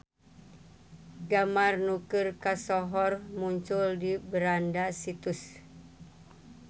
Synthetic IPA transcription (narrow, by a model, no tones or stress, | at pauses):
ɡamarnukɨrkasɔɦɔrmuɲt͡ʃʊldibəɾandasit̪us